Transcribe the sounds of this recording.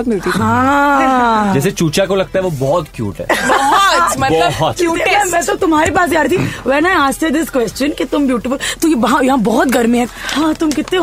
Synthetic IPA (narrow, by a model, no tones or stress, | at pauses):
mɪlt̪ihã | d͡ʒɛːset͡ʃuːt͡ʃakolɐɡ̚t̪aɦɛʋobɔːɔt̪kjṵːʈɦɛ̰ːbɔmɛbɦɔt̪kjuːɛmɛ̃ːsɐt̪ʊmɦaːɾipaːs̬ɡaːɾt̪ʰiʋɛnaːjaːst̪eɾd̪ɪskʋɛst͡ʃə̃nkit̪ʊmbjuːʈɪfəlt̪ojeɦãjɐɦãbɔːɔt̪ɡʱɐɾmĩɦɛ̃hãːt̪ʊmkɪt̪ːẽ